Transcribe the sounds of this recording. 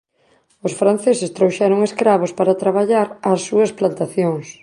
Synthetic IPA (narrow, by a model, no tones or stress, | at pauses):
ʊsfɾan̟θesɪst̪ɾowʃɛɾʊŋeskɾaβ̞ospaɾat̪ɾaβaʎaɾɐsːuɐsplant̪aθjoŋs